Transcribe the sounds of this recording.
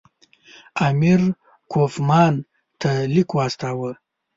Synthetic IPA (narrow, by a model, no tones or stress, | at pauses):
amiɾ | kofmɑːn | t̪ʰalikoast̪aːwə